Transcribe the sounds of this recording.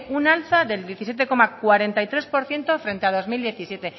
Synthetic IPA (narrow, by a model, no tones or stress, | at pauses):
unalθaðe̞ld̪je̞θisje̞t̪̬e̞ko̞makwaɾe̞nt̪ajt̪ɾe̞spo̞ɾθje̞nt̪o̞fɾẽ̞nt̪eað̞o̞zmild̪je̞θisje̞t̪e̞